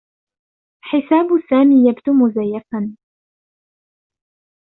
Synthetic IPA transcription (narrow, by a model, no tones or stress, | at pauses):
ħɪsaːbsaːmiːjabd̪ʊmʊzajːafan